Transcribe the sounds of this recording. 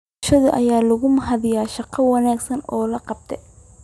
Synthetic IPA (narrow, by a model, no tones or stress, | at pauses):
ʃɐðʊʔɐjaːlɐɣʊmɐɦɐðɪjaːʃɑqɑwɑnaːɡsɐnɔːlɐqɑb̚t̪ʰɛ